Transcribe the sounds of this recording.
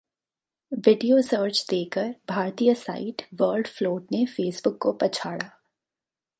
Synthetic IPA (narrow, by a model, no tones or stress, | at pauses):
ʋɪɖijosəːɾt͡ʃd̪eːkəɾbʱaːɾt̪ijasa̰ːɪʈʋəːlɖfloːʈ̚nefeːsbʊkːopɐt͡ʃʰaːɽaː